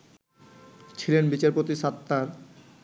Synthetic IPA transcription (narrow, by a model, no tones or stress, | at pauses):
t͡ɕʰilenbit͡ɕaɾpot̪iʃat̪ːaɾ